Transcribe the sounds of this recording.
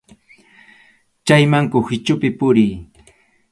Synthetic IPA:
t͡ʃajmaŋkʊhɪt͡ʃʊpɪpʊɾij

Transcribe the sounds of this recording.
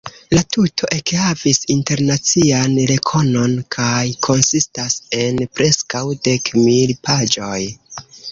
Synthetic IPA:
latʰutʰo̞ʔe̞khavisinte̞ɾnat͡sianɾe̞kʰo̞no̞nkʰajkʰo̞nsistase̞npɾe̞skawde̞kmilpad͡ʒo̞j

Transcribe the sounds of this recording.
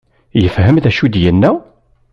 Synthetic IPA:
jəfɦəmðæʃud̪jənːæ

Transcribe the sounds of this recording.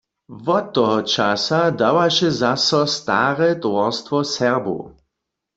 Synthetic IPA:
vɔt̪ːɔɦɔt͡ʃasadawaʃɛzasɔst̪a̰ːʁɛt̪wɔst̪ʋɔsɛʁbṵ

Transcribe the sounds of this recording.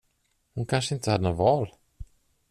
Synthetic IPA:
hʊnkʰanʂəɪnt̪əhad̪ːənvɑːl

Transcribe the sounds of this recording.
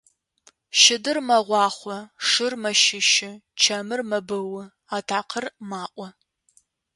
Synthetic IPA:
ʃɪdɨrmɐʁʷɑːχʷɔʂɨrmɐʃɪʃɪt͡ʃʰɐmɨrmɐbɐwɐ | aːtʰaːqʰərmaːʔʷʼɔ

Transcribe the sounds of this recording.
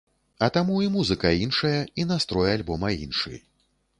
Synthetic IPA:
ɐt̪amuimuzɨkɐinʂɐjɐinast̪ɾɔjalʲbɔmɐḭnʂɨ̰j

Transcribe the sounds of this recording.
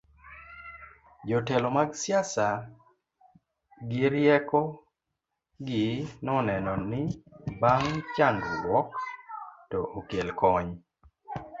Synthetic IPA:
d͡ʒɔtɛlɔmaɡsjasa | ɡɪɾjɛkɔ | ɡɪnɔnɛnɔnɪbaŋt͡ʃandlwɔk | tɔʔokelkɔɲ

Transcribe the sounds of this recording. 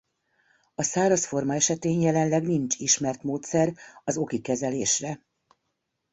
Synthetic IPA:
ɒsaːɾɒsfo̞rmɒɛʃɛt̪eːnjɛlɛnlɛɡnint͡ʃiʃmɛrt̪moːt̪sɛrɒzo̞kikɛzɛleːʃrɛ

